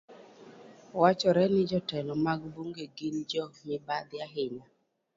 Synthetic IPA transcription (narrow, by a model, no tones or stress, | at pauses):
wat͡ʃɔɾɛnɪd͡ʒɔtɛlɔmaɡboŋɡeɡind͡ʒɔmɪbad̪ɪaɦɪɲa